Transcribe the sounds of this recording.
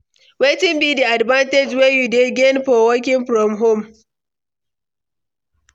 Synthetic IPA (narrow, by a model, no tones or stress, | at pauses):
weːtɪmbiːdiʔadbantɛd͡ʒwejudeɡʲenɸɔwɔk̬ʲɪŋɸɾɔmɦom